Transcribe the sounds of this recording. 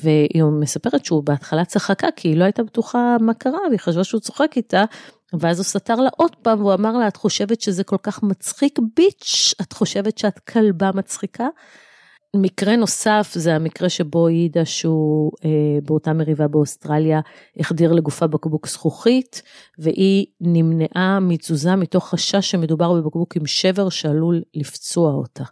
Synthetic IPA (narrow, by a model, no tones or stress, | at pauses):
veʔimesape̞ʁetʃeubeatχalat͡saχakakʰiːloajtabetuχamakaʁaviχaʃvaʃeut͡so̞χekita | veazusataʁlaʔo̞dpamveuamaʁlaːtχo̞ʃevetʃezeko̞lkaχmat͡sχikbit͡ʃatχo̞ʃe̞vetʃeatkʰalbamat͡sχika | mikʁeno̞safzeamikʁe̞ʃe̞bo̞jidaʃeuebeo̞tame̞ʁivabeostʁalja | eχdiʁleɡufabakbuksχuχitveʔinimneʔamit͡suzamito̞χaʃaʃeme̞dubaʁbe̞bakbukimʃe̞ve̞ʁʃealulːift͡soao̰ta